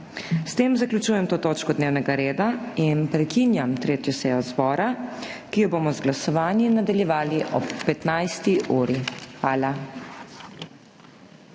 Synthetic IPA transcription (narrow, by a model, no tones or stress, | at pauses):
st̪eːmzaklʲut͡ʃuːjɛmt̪oːt̪oːt͡ʃkɔd̪neːwnɛɡaɾeːd̪ainpɾɛkinjamt̪ɾeːt̪jɔsɛjɔzbɔːɾakijɔboːmɔzɡlasɔʋaːnjinad̪aljɛʋaːliʔɔ̰pːɛt̪najst̪iʔuːɾixʋaːla